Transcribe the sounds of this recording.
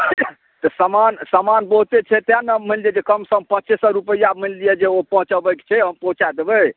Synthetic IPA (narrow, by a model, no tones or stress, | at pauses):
t̪ɔsəmansəmanbəɦut̪et͡ʃʰɛt̪ãnəmənlijed͡ʒekəmsəmpətːt͡ʃisɔ̃ɾupəijamənlijed͡ʒeopəɦũt͡ʃəbəkt͡ʃʰɛɦəmpəɦũt͡ʃad̪ebə